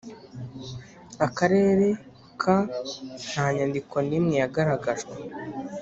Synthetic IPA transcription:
akaɾe̞ːɾe̞ | kʰan̥haːɲandiko̞nimŋejaɡaɾaɡaʒɡe

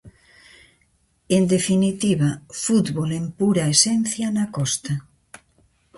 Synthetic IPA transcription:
end̪efinit̪iβafut̪βolempuɾaesɛn̟θjanakɔst̪a

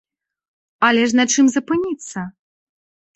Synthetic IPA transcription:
ɐlʲɛʂ̬nɐt͡ʂɨmzɐpɨnʲit̪sːɐ

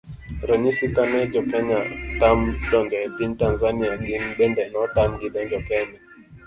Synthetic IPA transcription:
ɾɔɲisikanɛd͡ʒɔkɛɲatamd͡ʒɔŋɡɛpintanzaniaɡinɓɛndɛnɔtamɡiɗɛɲd͡ʒɔkɛɲa

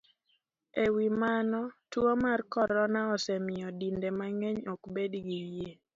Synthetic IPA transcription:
ewimanɔtwomarkɔɾɔnaɔsɛmɪjɔdindemaŋeɲɔkbedɡijje

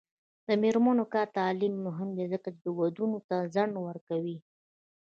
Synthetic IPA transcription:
d̪əmeɾmanokɑɾt̪ɑlimːʊɦɪmd̪ezəkat͡ʃɪd̪əwad̪unot̪azaɳɖwəɾkawi

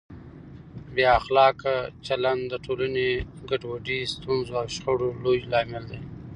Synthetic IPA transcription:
bjːxlɑːkat͡ʃaland̪d̪əʈʰolaneɡaʈwaɖist̪unzoawʃxəɽolojlɑmɪld̪aj

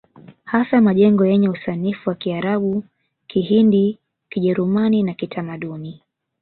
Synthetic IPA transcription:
hasamaʄɛŋɡɔjɛɲɛusanifuwakiaɾaɓu | kiɦindi | kiʄɛɾumaninakitʰamaɗuni

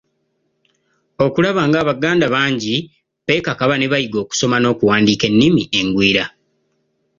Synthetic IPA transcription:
o̞kulaβaːŋɡaːβaɡaːndaβaːɲɟi | pe̞ːkakaβane̞βajiɡo̞ːku̥so̞mano̞ːkuwaːndiːke̞nːimiʔe̞ŋɡwiːɾa

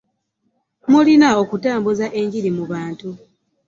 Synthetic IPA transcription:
mulinao̞kutaːmbuzaʔe̞ɲɟiɾimuβaːntu

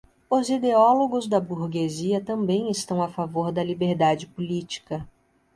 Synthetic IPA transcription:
ʊzid̪eɔloɡʊzd̪ɐbuɾɡeziɐt̪ɐ̃mbẽj̃ɪst̪ɐ̃w̃afavoɾd̪ɐlibeɾd̪ad͡ʒɪpulit͡ʃi̥kɐ

